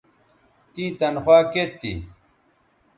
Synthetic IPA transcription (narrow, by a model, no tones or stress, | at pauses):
t̪ĩːt̪ɐnxwaːket̪ːḭ